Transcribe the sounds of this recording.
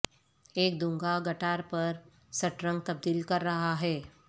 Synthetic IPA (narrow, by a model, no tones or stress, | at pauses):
eːk̚d̪uŋɡaɡəʈaɾpəɾ | səʈɾəŋɡ̚t̪əb̚d̪iːlkəɾːɐɦaɦɛː